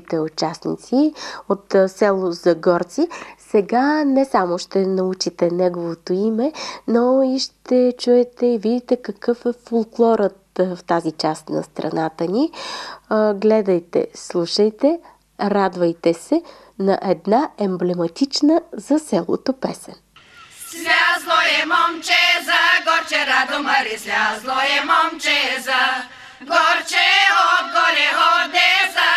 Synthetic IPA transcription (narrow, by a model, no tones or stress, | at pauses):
t̪ɛʊt͡ʃasnḭt̪siot̪sɛlˠozɐɡɔɾt̪sisɛɡanɛsamoʃt̪ɛnɐut͡ʃit̪ɛnɛɡovot̪oimɛnoiʃt̪ɛt͡ʃuɛt̪ɛivid̪it̪ɛkəkɤfɛfolˠklˠɔɾət̪ft̪azit͡ʃast̪nɐ̰st̪ɾɐ̰nat̪əni | ɡlɛd̪ɐjt̪ɛ̰slˠuʃəjt̪ɛ | ɾad̪vɐjt̪ɛsɛ | nɐʔɛd̪naɛmblɛmɐt̪it͡ʃnəzɐsɛlˠo̰t̪opɛsɛn | lʲazlˠɔjɛmɔmt͡ʃɛzaɡɔɾt͡ʃɛɾad̪omɐɾizʲazlˠɔɛmɔmt͡ʃɛza | ɡɔt͡ʃɛot̪ɡɔlɛɔnɛza